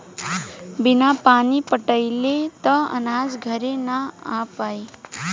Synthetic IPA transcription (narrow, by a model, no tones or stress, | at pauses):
binapanipʌʈəjlet̪ʌʌ̰nad͡zɡʱʌɾenaapaj